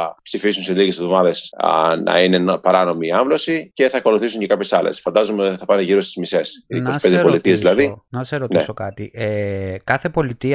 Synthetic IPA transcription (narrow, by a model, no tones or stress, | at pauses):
ɐpsifisunseliɣesovðo̞mɐðe̞snɐ̰ine̞npɐɾɐno̞miːɐɱvlo̞sice̞θɐːko̞luθisuɲce̞kɐpçe̞sɐlḛsfɐnd̪ɐzo̞meot̪i̥θɐpɐneʝiɾo̞st̪izmise̞siːnkosisped̪eolit̪iezðilɐðinɐseɾo̞t̪nesso̞kɐt̪iekɐθe̞po̞lit̪iɐ